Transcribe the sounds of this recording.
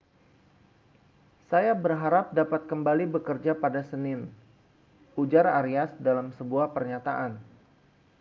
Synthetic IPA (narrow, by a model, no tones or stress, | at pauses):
sajabərɦaɾap̚dapat̪̚kəmbalibəkərd͡ʒapadasənɪn | ud͡ʒaɾaɾiasdalamsəbuahpərɲat̪aʔan